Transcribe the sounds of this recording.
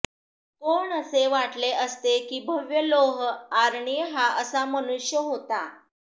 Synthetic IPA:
koɳəseʋaʈleʔəst̪ekiːbʱəʋjəloɦaɾɳiɦaʔəsamənuɕjəɦot̪a

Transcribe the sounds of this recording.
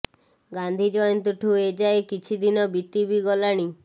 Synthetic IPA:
ɡand̪ʱid͡ʒɔjɔnt̪uʈʰued͡ʒaekit͡ʃʰid̪inɔbit̪ibiɡɔlaɽ̃i

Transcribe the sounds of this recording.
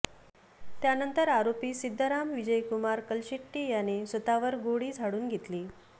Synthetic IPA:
t̪janənt̪əɾaɾopiːsid̪ʱːəɾamʋid͡ʑəjkumaɾkəlɕiʈːiːjanesʋət̪aʋəɾɡoɽiːd͡zʱaɽuːnɡʱet̪liː

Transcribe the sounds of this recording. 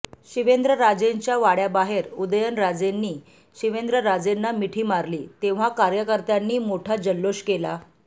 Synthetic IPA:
ɕiʋend̪ɾəɾad͡zeɲt͡ɕjaʋaɽjabaɦeɾud̪əjənɾad͡zenːiː | ɕiʋend̪ɾəɾad͡zenːamiʈʰiːmaɾlḭːt̪eʋ̤akaɾjəkəɾt̪janːiːmoʈʰad͡ʑəlːoɕkela

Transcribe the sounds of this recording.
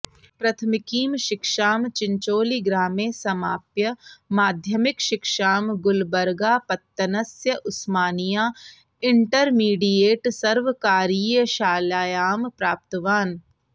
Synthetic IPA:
pɾɐt̪ʰəmɪkiːmʃɪkʃaːmt͡ʃɪ̃ɲt͡ʃoːliɡɾaːmeːsɐmaːpjəmaːd̪ʱjəmɪkʃɪkʃaːmɡʊlbɐɾɡaːpɐt̪ːɐnɐsjəʔʊsmaːnijaː | ɪɳʈəɾmiːɖijeːʈsɐɾʋəkaːɾiːjəʃaːlaːjaːmpɾaːp̚t̪ɐʋaːn

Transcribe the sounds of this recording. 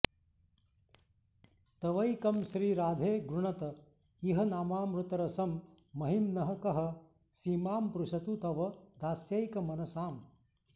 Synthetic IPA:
t̪ɐʋɐjkɐmʃɾiːɾaːd̪ʱeːɡɾuɳɐt̪ɐ | iɦɐnaːmaːmɾut̪ɐɾɐsɐmː | ɐɦimnɐɦɐ̆kɐɦɐ | siːmaːmpɾuʃɐt̪ut̪ɐʋɐd̪ʱaːsjɐjkɐmɐnɐsaːm

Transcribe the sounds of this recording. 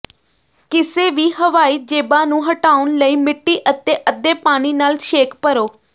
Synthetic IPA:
kɪseːʋiːɦəʋaːiːd͡ʒeːbãːnũːɦəʈaːʊnləiːmɪʈːiːʔət̪eːʔəd̪ːeːpaːñiːnaːlʃeːkpəɾoː

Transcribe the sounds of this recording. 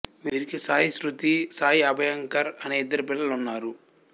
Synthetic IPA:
ʋiːɾikisaːjisɾut̪isaːjiɐbʱɐjɐŋkɐɾɐneːid̪ːɐɾipilːɐlunːaːɾu

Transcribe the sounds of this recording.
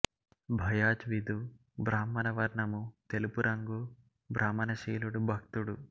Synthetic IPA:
bʱɐjaːt͡ʃʋid̪u | bɾaːmːɐnɐʋɐɾɳɐmut̪elupuɾɐŋɡu | bɾʔaːmːɐnɐʃiːluɽubʱɐkt̪uɽu

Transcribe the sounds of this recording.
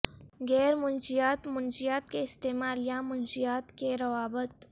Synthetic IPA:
ɡɛːɾmʊnd͡ʒijaːt̪mʊnd͡ʒijaːt̪keɪst̪eːmaːlijamʊnd͡ʒijaːt̪keɾɐʋaːbət̪

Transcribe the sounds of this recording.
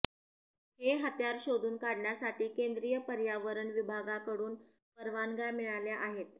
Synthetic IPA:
heɦət̪jaɾɕod̪ʱuːnkaɽɳjasaʈiːkend̪ɾijəpəɾjaʋəɾəɳʋibʱaɡakəɽuːn | pəɾʋanɡamiɭaljaʔaɦet̪̚

